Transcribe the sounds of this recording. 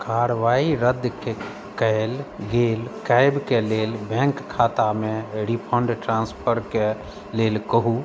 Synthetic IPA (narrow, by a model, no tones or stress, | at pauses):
kaɾʋaiɾəd̪ke | kəɪlɡelkajbkelelbɛ̃ŋkkʰːat̪ameɾipʰəɳɖʈɾãnspʰəɾke | lelkəɦu